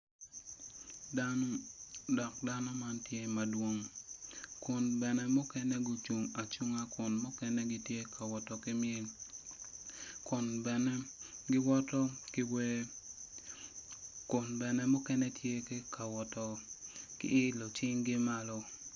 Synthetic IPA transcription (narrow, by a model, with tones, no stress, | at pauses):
dɔ˨k̚da˦nɔ˦ma˦ntje˦ma˨dwo˦ŋ | kʊ˨nbɛ˨nɛ˦mʊ˦kɛ˦nɛ˦ɡʊ˨t͡ʃu˨ŋa˨t͡ʃu˦ŋa˦kʊ˨nmʊ˦kɛ˦nɛ˦ɡɪ˦tje˦kʰa˨wɔ˨tɔ˨kɪ˦mɪe˦l | kʊ˨nbɛ | ɡɪ˦wɔ˦tɔ˦kɪwe | kʊ˨nbɛ˨nɛ˦mʊ˦kɛ˦nɛ˦tje˦kɪ˦ka˨wɔ˨tɔ˨kɪ̰˦ɪ˦lo˨t͡ʃɪ˦ŋɡɪ˦ma˦lɔ˦